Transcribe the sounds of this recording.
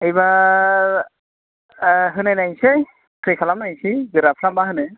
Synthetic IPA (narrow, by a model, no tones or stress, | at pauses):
ejba | ɦɯnɯnajse | tʰɹikʰalamnajsiɡɯɾapʰɾambaɦɯnɯ